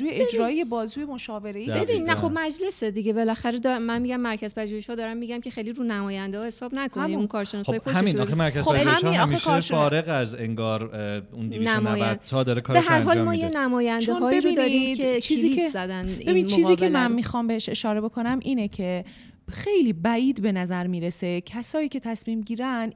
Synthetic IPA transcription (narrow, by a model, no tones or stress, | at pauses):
zuːjeed͡ʒɾɒːiebɒːzuːjemoʃɒːveɾeibeinnːæxo̞bmæd͡ʒlesed̪iɟebelæxæɾed̪ɒmænmiːɟæmːæɾcʰæzpʰæʒuːheʃhɒːd̪ɒːɾæmːiɟæmcʲʰe̞xejliɾuːnæmɒːjænd̪ehɒːhe̞sɒːbnækʰoæmunkʰɒːɾʃenɒːsoːjeoshæemiːnɒxemæɾkʰæzoæʒuemʃhɔæiʃfefɒːɾeɣæzeŋɡɒːɾund̪iinæmnæjvæd̥̪t̪ʰɒd̪ɒɾekʰːɾbeɦæɾɦɒːlmɒːjenæmɒːjænd̪eɦɒːbiɾod̪ɒɾiet͡ʃʰiːziezæd̪ænbe̞binːmt͡ʃiːziːcʰemænmiːxɒmbeheʃe̞ʃɒːɾe̞be̞kʰo̞næmʔiːnecʰe̞ | xe̞jliːbæʔiːd̪be̞næzæɾmiːɾesecʰæsɒːiːcʰe̞t̪ʰæsmiːmɟiːɾæn